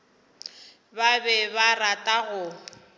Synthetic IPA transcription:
babɛbaratʼaɣʊ

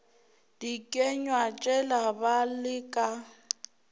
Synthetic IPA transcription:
d̥ikʼɛɲwat͡ʃʼɛlabalɪkʼa

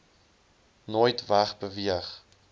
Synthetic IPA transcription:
noːjtvæχbəviəχ

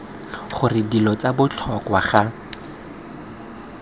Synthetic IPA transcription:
χʊrɪdilɔt͡sabʊt͡ɬʰɔkwaχa

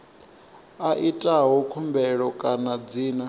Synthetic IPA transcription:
aʔitʼaɦɔkʰumbɛɺɔkʼanad͡ziːna

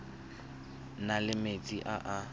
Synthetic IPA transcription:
nalɪmet͡sʼiʔaʔa

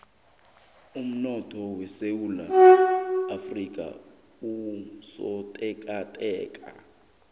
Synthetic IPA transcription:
um̩nɔtʰɔwɛsewulaː | frikʼa̰ | usɔtʼɛkʼatʼɛːkʼa̰

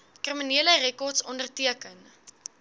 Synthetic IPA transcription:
kriminiələrɛkɔrtsɔndərtiəkən

